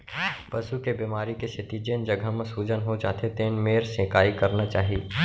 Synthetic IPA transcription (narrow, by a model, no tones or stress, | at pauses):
pɐsukebimaːɾikeset̪id͡ʒeːnd͡ʒɐɡʱamẽsuːd͡ʒənɦot͡ʃa̰ːt̪ʰet̪eːnmeːɾsẽːkaːikɐɾnat͡ʃaːɦi